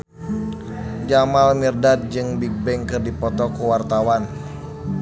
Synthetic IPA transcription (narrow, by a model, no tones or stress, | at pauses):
d͡ʒamalmirdat̪̚d͡ʒɨŋbik̚bɛŋkɨrdipɔt̪ɔkuwart̪awan